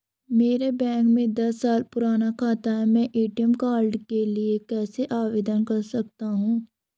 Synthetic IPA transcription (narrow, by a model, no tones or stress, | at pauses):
meːɾebɛ̃ːŋkmẽd̪ɐsːaːlpʊɾaːnakʰaːt̪aɦɛmɛ̃ːʔiːʈijəmkaːɾɖkeliekɛːseʔaːʋeːd̪ənkɐɾsɐk̚t̪aɦũː